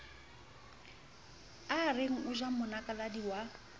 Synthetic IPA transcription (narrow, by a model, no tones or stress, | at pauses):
arɪŋ̩ʊʒamʊnakʼaladiwa